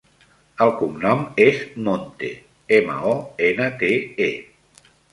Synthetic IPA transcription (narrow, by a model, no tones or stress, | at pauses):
əlˠkumnɔmeznont̪ḛ | emə̰ɔenət̪ee